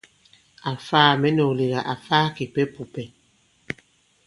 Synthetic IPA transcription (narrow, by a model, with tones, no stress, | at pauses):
a˨faː˦˨mɛ˦no˨li˨ɣa˨ʔa˨faː˦ki˨pɛ˦pu˨pɛ˨